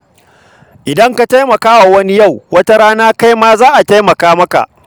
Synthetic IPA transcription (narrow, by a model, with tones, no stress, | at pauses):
ʔɪ˨dɐ˦ŋka˨ta˦jmɐ˨kaː˦wa˨wɐ˦ni˦ja˦˨wwɐ˦ta˦ɽaː˦naː˦ka˦jmaː˦zaː˦ʔa˨ta˦jmɐ˨kaː˦mɐ˦ka̰˨ʔ